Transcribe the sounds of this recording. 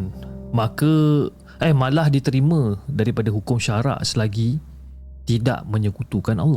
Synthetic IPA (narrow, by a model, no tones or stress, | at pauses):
nmãka | ɛhmãlahdit̪əɾimãdaɾipadaɦukʊmʃaɾa̰ʔsəlaɡi | t̪ida̰ʔmə̃ɲə̃kut̪ukana̰lːɔ